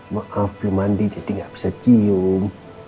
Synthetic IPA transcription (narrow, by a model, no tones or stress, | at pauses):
maʔafblumandid͡ʒad̪iŋɡaʔb̥i̥sat͡ʃium